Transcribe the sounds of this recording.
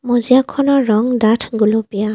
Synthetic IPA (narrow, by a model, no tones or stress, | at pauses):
mɔzijakʰɔnɔɾɔŋdatʰɡulɔpija